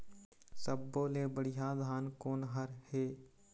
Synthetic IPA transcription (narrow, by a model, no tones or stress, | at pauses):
səbːoːleːbəɽɪjad̪ʱaːnkoːnɦəɾheː